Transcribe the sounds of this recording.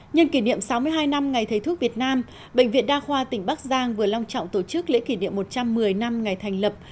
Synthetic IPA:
ɲə˧nki˧˩nḭ˧˨əmsa˨˦wmɨ˧əjɦaː˧jna˧mŋa˨˩jt̪ʰə˨˦jt̪ʰt̚vi˨˩ət̚naː˧m | ɓə̰˧˨ŋ̟vḭ˧˨ənɗaː˧xwaː˧t̪ï˨˩ŋ̟ɓaː˦˥k̚zaː˧ŋvɨ˨˩əla˧wŋ͡mt͡ɕɔ̰˧˨wŋ͡mt̪o˧˩t͡ɕɨ˦˥k̚lḛ˧˥ki˧˩nḭ˧˨əmːo˨˩t̚t͡ɕa˧mːɨ˨˩əjna˧mŋa˨˩jt̪ʰa˨˩jŋ̟lə˨˩p̚

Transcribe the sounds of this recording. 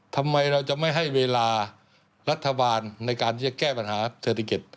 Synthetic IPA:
t̪ʰa˧mːa˧jɾa˧wt͡ɕa˨˩ʔma˥˩jɦa˥˩jweː˧laː˧ | ɾa˦˥t̪ʰːa˧baː˧nːa˧jkaː˧nt̪ʰiː˥˩t͡ɕa˨˩kɛː˥˩pa˧nhaː˩˦seː˨˩t̪ʰːa˧ki˨˩t̪̚

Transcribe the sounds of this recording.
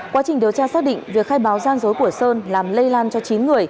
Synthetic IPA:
kwaː˨˦t͡ɕï˨˩ŋ̟ɗi˨˩əwt͡ɕaː˧saː˦˥k̚ɗḭ˧˨ŋŋvi˨˩ək̚xaː˧jɓaː˨˦wzaː˧nzo˨˦jku˧˩əsəː˧nlaː˨˩mlə˧jlaː˧nt͡ɕɔ˧t͡ɕi˨˦nŋɨ˨˩əj

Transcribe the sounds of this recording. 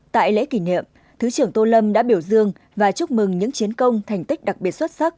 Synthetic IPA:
t̪a̰ː˧˨jlḛ˧˥ki˧˩nḭ˧˨əm | t̪ʰɨ˨˦t͡ɕɨ˧˩əŋt̪o˧lə˧mɗa̰ː˧˥ɓi˧˩əwzɨ˧əŋ | vaː˨˩t͡ɕʊ˦˥k͡p̚mɨ˨˩ŋɲɨ̰˧˥ŋt͡ɕi˨˦ənkə˧wŋ͡mt̪ʰa˨˩jŋ̟t̪i˦˥k̚ɗa˨˩k̚ɓi˨˩ət̚swə˦˥t̚sa˦˥k̚

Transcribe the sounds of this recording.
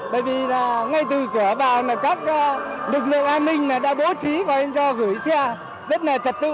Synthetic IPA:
ɓə̰ː˧˨jvi˨˩laː˨˩ŋa˧jt̪ɨ˨˩kɨ˧˩əvaː˨˩wnaː˨˩kaː˦˥k̚ːlɨ˨˩k̚lḭ˧˨əŋʔaː˧nmï˧ŋ̟naː˨˩ɗa̰ː˧˥ɓo˨˦t͡ɕi˨˦kɔ˨˩ʔa˧ŋ̟t͡ɕɔ˧ɣɨ˧˩əjsɛ˧ | zə˦˥t̚laː˨˩t͡ɕə˨˩t̚t̪ɨ̰˧˨

